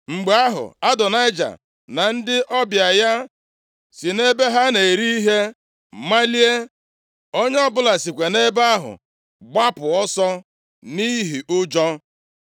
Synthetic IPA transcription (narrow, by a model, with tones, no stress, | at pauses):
ŋ͡m̩˨ɡ͡be˨a˦ɦʊ̰˨a˦dɔ˨na˦ɪ˦d͡ʒa̰˨ | na˨n̩˦dɪ˦ʔɔ˦bja˨ja˦ | si˨ne˦be˦ɦa˦ne˨e˨ɾi˦i˦ɦe˦ | ma˦li˦e˦ | o˦ɲe˦ɔ˦bʊ˦la˨si˨kʷe˨ne˦ba˦ɦʊ̰˨ | ɡ͡ba˦pʊ˨ɔ˦sɔ˦ | ni˦ɦi˨ʔʊ˦d͡ʒɔ˦